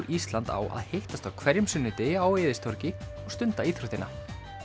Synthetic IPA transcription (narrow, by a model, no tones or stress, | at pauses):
ɾʔist̪lant̪a̰wʔa̰ðhejht̪ast̪awkʰvɛɾjʏmsʏnːʏt̪ɪaːweːðɪst̪ʰɔɾcɪ | ɔɣst̪ʏnt̪aiːθɾut̪ɪnːa